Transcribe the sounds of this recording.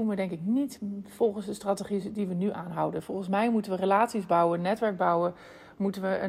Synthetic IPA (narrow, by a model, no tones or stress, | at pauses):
unʋədɛŋkɪknitfɔlˠχənsdəstrateχidiʋənyʔaːnɦʌwdənv̥ɔlˠχənsmɛjmutənʋərəlaːtsizbɑwənːɛtʋɛɹɡ̚bɑwə | mutənʋəə